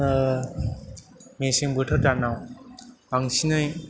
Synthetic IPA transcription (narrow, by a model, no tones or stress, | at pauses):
mesiŋbɯʈʰɯtanaw | aŋsinɯj